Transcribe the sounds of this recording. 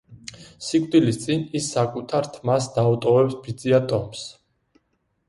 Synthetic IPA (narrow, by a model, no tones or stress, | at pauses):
sikʼd̪ilist̪sʼinisːakʼut̪ʰaɾt̪ʰmasd̪aut̪ʼɔvɛpsbid̪ziat̪ʼɔms